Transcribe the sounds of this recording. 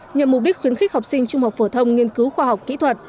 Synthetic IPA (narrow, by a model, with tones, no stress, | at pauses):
ɲə˨˩m̚ː˨˩ɗi˦˥k̟̚xwi˨˦ənxï˦˥k̚ha˨˩k͡p̚sï˧ŋ̟t͡ɕʊ˧ŋ͡mha˨˩wk͡p̚fo˧˩t̪ʰə˧wŋ͡mŋi˧ənkɨ˨˦wxwaː˧ɦa˨˩wk͡p̚kḭ˧˥t̪ʰwə˨˩t̚